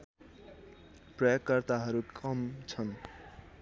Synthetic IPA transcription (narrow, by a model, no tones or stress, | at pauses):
prʌjokːʌrt̪aɦʌɾukʰʌmt͡sʰʌn